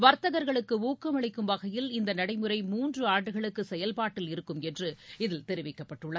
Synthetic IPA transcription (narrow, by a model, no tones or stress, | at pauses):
ʋɐɾt̪ːɐɣɐɾɣɐɭɯkːɯuːkːɐmɐɭɐɪkːɯmbɐɣɐjɪlɪnd̪ɐnɐɽɐɪmɯɾɐɪmuːndrɯaːɖɯɣɐɭɯkːɯsɛjɐlpaːʈːɪlɪɾɯkːɯmɛndrɯɪðɪlt̪ɛɾɯʋɪkːɐpːɐʈːɯɭːɐ